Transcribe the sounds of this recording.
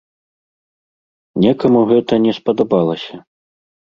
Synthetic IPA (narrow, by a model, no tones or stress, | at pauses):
nʲɛkɐmuɣɛt̪ɐnʲɛspɐd̪abalˠɐsʲɐ